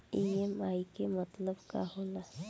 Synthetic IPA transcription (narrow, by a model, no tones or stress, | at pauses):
iemaːikemət̪ləbka̰ɦoːla